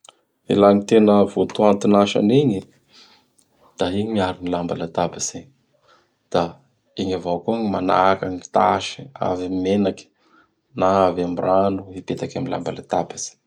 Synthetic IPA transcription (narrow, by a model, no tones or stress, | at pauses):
ḛlanit̪enəvont̪uant̪inaʃa̰niɲi | d̪̥aiɲimiaɾinilambalat̪abaz̥eɲ | d̪̥a | eɲavakuaŋimana̰kaŋit̪a̰ʃi̥a̰vmenakʲi̥ | naavamiranuipet̪akamila̰mbalat̪abazi̥